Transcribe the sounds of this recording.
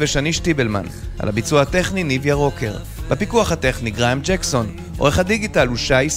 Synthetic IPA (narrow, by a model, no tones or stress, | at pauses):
veʃaniʃtibelma̰na̰labit͡suahate̞χninivjaʁo̞kʰe̞̰ʁ | b̥epikuaχat̪e̞χniɡʁamd͡ʒekso̞n | ʔo̰ʁeχhadiɡitaluʃajis